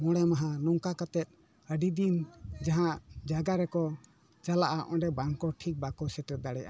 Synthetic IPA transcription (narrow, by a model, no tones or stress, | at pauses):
mɔɽɛmaɦanɔŋkakat̪ɛt̪̚ˀ | əɖid̪ind͡ʒaɦãʔd͡ʒaɡaɾɛkɔ | t͡ʃalaʔaʔɔ̃ɖɛbaŋkɔʈʰik̚bakɔsɛʈ̪ɾɛd̪aɽɛjʔa̰